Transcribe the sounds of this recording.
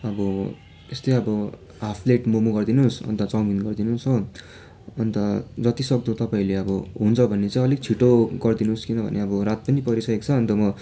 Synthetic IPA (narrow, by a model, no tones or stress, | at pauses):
ʌbʌ | est̪ʌjʌbʌ | ɦapʰleʈmomuɡʌrd̪inusʌ̰nt̪ʌt͡sawminɡʌrd̪inuso | ʌnt̪ʌd͡zʌt̪isʌk̚d̪ot̪ʌpaĩleʌbʌɦunt͡sʰʌbʱʌnːet͡sãĩʌleɡ̚t͡sʰiʈoɡʌrd̪inuskinʌbʱʌ̰neʌbʌrat̪̚pʌnipʌɾisʌekt͡sʰʌːnt̪ʌmʌ